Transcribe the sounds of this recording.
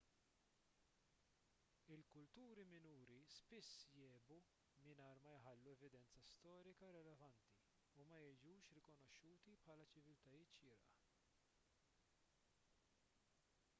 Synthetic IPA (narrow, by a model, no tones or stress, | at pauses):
ɪlkʊlt̪uːɾimɪnuːɾispɪsːjɛːbu | mɪnɐːɾmɐjħɐlːuɛvɪd̪ɛnt͡sɐst̪ɔːɾɪkɐɾɪlɛvɐnt̪i | umɐjɛjd͡ʒuːʃɾɪkɔnɔʃːuːt̪ipħɐːlɐt͡ʃɪvɪlt̪ɐjɪːt̪ʃɪːɾʔɐ